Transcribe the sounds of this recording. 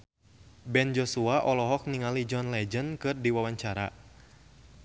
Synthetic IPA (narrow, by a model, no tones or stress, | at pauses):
bɛnd͡ʒɔsuaʔɔlɔɦɔk̚niŋalid͡ʒɔnlɛd͡ʒənkɨrdiwawaɲt͡ʃaɾa̰